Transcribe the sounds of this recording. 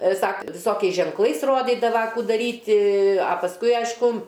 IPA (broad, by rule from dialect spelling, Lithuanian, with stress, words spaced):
ˈsɐk ʋʲɪˈsoːkʲɛɪs ʒʲɛŋkˈlˠɐɪs ˈroːdʲiːdɐʋɐ ˈkuː dɐˈrʲiːtʲɪ ɐ pɐsˈkʊɪ ˈɐɪʃkʊ